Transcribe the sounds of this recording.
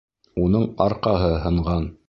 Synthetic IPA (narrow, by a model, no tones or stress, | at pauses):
unɤɴɑɾqɑɦɤɦɤ̆ɴʁɑn